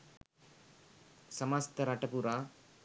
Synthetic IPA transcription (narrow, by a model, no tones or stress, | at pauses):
sɐmast̪ɐɾɐʈɐpuɾaː